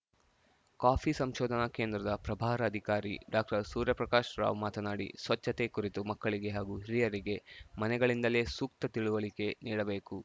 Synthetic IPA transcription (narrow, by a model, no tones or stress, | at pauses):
kaːpʰisɐmʃɔːd̪ʱɐnɐkeːnd̪ɾɐd̪ɐpɾɐbʱaːɾɐːd̪ʱikaːɾḭɖaːk̚ʈɐɾsuːɾjɐpɾɐkaːʃɾa̰ːʋmaːt̪ɐnaːɽḭsʋɐt͡ʃːɐt̪ekuɾit̪umɐkːɐɭiɡe̞ɦaːɡuːɦiɾijɐɾiɡe̞mɐnɛɡɐɭind̪ɐle̞ːsuk̚t̪ɐt̪iɭuʋɐɭike̞niːɽɐbe̞ːku